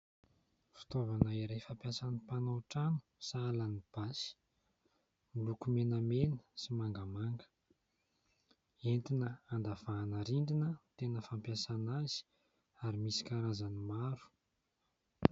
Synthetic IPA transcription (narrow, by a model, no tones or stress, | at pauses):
fi̥t̪ovanəiɾejfampjasanipanowʈ͡ʂanu̥salanib̥asi̥ | mulukumenəmenə̥simaŋɡamaŋɡə̥ | ent̪inəand̪av̥aːnəɾind̪inət̪enəfampjasanazi̥ | aɾimisi̥kaɾazanimaɾu̥